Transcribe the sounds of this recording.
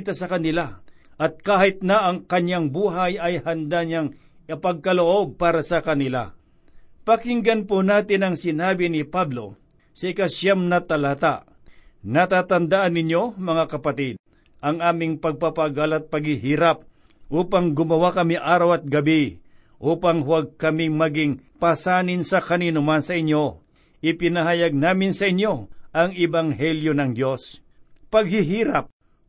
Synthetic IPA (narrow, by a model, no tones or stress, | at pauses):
t̪asɐkɐnɪla | ʔɐt̪̚kaːhɪt̪̚nɐʔɐŋkɐɲjaŋbuːɦajɐjhɐnd̪aɲaŋ | pɐɡ̚kɐloʔo̞b̚paːɾɐsɐkɐnɪla̰ | pɐkɪŋɡɐnponaːt̪ɪnɐŋsɪnaːbɪnɪpablo̞ | sɐɪkaʃjamnɐt̪ɐlaːt̪a | nɐt̪aːt̪ɐnd̪aʔanɪɲjo̞mɐŋakɐpɐt̪id̪̚ | ʔɐŋaːmɪŋpɐɡ̚papaɡalɐt̪̚pɐɡ̚hɪɦiːɾap̚ | ʔuːpɐŋɡʊmɐwakɐmiʔaːɾɐwɐt̪̚ɡɐbi | ʔuːpɐŋhwaɡ̚kɐmɪŋmɐɡɪŋpasaːnɪnsɐkɐniːnʊmansɐʔɪɲjo̞ | ʔɪpɪnɐɦajaɡ̚naːmɪnsɐʔɪɲjo̞ʔɐŋɪbaŋɦɛljo̞nɐŋd̪jo̞s | pɐɡ̚hɪɦiːɾap̚